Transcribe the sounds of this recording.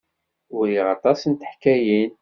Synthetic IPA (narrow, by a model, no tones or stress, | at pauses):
ʊɾiʁɑt̪ˤɑsənt̪ə̥ħkːæjin